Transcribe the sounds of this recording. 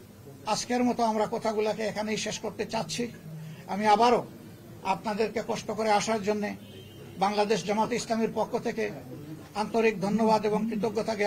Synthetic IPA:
ad͡ʑkeɾmɔt̪oamɾakɔt̪ʰaɡulakeekʰanejʃeʃkoɾt̪et͡ɕat̪ːɕʰiamiabaɾo | apnad̪eɾkekɔʃʈokoɾeaʃaɾd͡ʑonːe | baŋlad̪eʃd͡ʑɔmat̪oislamiɾpokʰːot̪ʰeke | ant̪oɾik̚d̪ʱonːobad̪eboŋkɾit̪oɡːot̪aɡɛ

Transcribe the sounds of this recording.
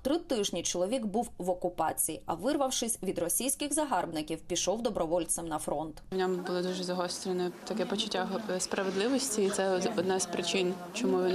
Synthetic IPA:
t̪ɾɪt̪ɪʒnʲit͡ʃɔlˠɔʋʲiɡbuwʋɔkʊpɑ̰t͡sʲijḭʔɐʋɪrʋɐwʃɪsʲʋʲid̪rɔsʲijsʲkɪɣzɐɦɑrbnɪkʲiwpʲiʃɔwd̪ɔbɾɔʋɔlʲt̪sɛmnɐfɾɔnt̪wnʲɔmbʊlˠɪd̪uʒɛzɐɦɔst̪ɾʲɪnɛt̪ɐkɛpɔt͡ʃʊtʲːaɦspɾɐʋed̪lˠɪʋɔsʲtʲiːt̪sɛɔd̪nɑzpɾɪt͡ʃɪnt͡ʃɔmuʋʲin

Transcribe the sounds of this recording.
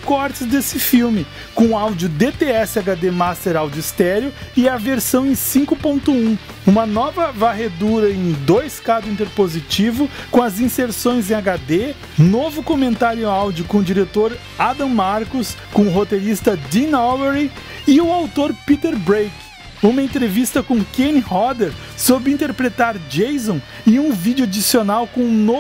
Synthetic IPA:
kɔɾt͡ʃɪzd̪esɪfiwmɪ | kõʊawd͡ʒʊd̪et̪eɛsɪaɡad̪emast̪eɾawd͡ʒʊist̪ɛɾjʊɪɐveɾsɐ̃w̃ẽj̃sĩŋkʊpõnt̪ʊũ | ũmɐnɔvɐvaɦed̪uɾɐẽj̃d̪ojskad̪ʊĩnt̪eɾpozit͡ʃivʊkõɐzĩseɾsõj̃zẽaɡad̪e | novʊkomẽnt̪aɾjawd͡ʒʊkõʊd͡ʒiɾet̪oɾ | ad̪ɐ̃maɾkʊskõʊɦot̪eɾist̪ɐd͡ʒ̪inɔveɾi | ɪʊawt̪oɾpit̪eɾbɾejk | ũmɐẽnt̪ɾevist̪ɐkõkenihɔd̪eɾ | sobɪĩnt̪eɾpɾet̪aɾd͡ʒejzõ | ɪũvid͡ʒʊad͡ʒisionawkõũno

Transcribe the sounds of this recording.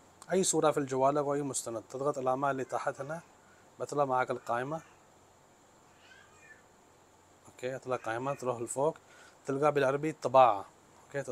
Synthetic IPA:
ʔajːsuːɾˤɑfild͡ʒawaːlawʔajːmʊst̪anad̪̚t̪ɨd̪ˤɣɑt̪ˤɪlʕaʕmaːlːiːt̪aħɪt̪na | bɪt̪lɑmaʕaːkɪlqaːʔɪma | ʔʔokeːɪt̪lɑqɑːʔɪmat̪luːħɪlfoːk | t̪ɪlɡabɪlʕɑɾˤbit̪ˤːɑbɑːʕa | okeː

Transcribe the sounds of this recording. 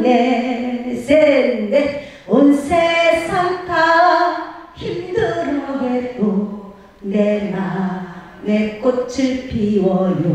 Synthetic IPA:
ne | sennd̪e | onsʰesʰaŋtʰa | çimd̪ɯɾʌɡet̪o | nena | nek͈ot͡ɕʰɯɭpiwʌjo

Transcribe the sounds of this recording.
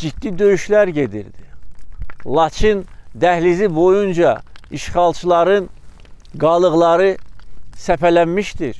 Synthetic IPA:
d͡ʒid̪ːid̪ø̞jyʃlæɾɟe̞d̪ḭɾd̪i | lˠɑt͡ʃʰind̪æhlizibo̞jund͡ʒɑiʃχɑlˠt͡ʃʰɯlˠɑɾɯn | ɡɑlˠɯɣlˠɑɾɯsæpælænmiʃt̪iɾ

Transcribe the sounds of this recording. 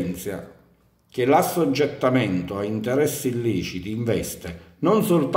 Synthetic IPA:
nt̪sja̰ | k̟ɪlasːod͡ʒːɛt̪ːamɛnt̪ʊaint̪ɛɾɛsːiːlːiːt͡ʃit̪iɱvɛst̪ɪnonsolt̪

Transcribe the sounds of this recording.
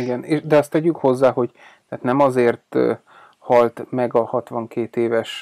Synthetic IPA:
iɡɛneːʃd̪ɛɒst̪ɛɟykho̞zːaːɦo̞ɟ | t̪ɛːt̪nɛmɒzeːrt̪ | hɒlt̪mɛɡɒhɒt̪ʋɒŋkeːt̪eːvɛʃ

